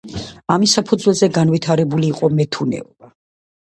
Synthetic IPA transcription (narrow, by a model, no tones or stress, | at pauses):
amisːapʰud̪zwɛlˠzɛɡanvit̪ʰaɾɛbuliːqʼɔmɛt̪ʰunɛ̰ɔba